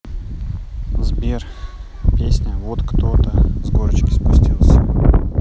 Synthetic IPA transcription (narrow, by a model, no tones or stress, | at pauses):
zbʲer | pʲesʲnʲəvot̪kt̪ot̪əzɡoɾət͡ɕkʲɪ̥spʊsʲtʲilˠsʲə